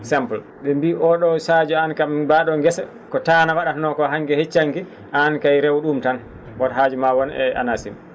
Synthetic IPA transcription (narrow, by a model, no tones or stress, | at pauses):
sɛmpl | ɓɛmbiʔɔɗɔsad͡ʒuankambaɗɔŋɡɛsa | kɔtanawaɗatnɔkɔɦaŋɡɛhet͡ʃːaŋki | ʔankajɾɛwɗumtan | bɔtɦad͡ʒumawɔnɛ̰a̰nasḭm